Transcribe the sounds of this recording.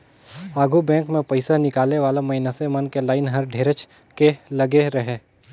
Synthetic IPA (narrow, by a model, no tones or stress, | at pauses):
aːɡʱubɛ̃ːŋkmẽpɐɪsanɪkaːlneʋaːlamɐɪnəsemɐnkelaːɪnɦɐɾɖʱeːɾət͡ʃ | kelɐɡeɾɐɦẽː